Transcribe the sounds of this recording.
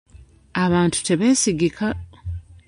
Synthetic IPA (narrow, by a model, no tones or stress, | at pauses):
aβaːntu̥te̞βe̞ːsiɡikʰa